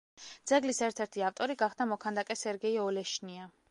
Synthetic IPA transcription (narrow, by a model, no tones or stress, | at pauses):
d̪z̥ɛɡlisɛɾt̪ʰɛɾt̪ʰiaft̪ʼɔɾiɡaχd̪amɔkʰand̪akʼɛsɛɾɡɛiɔlɛʃnia